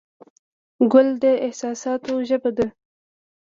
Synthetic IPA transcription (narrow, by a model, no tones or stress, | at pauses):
ɡʊld̪əɪhsɑsɑt̪oʒəbad̪ə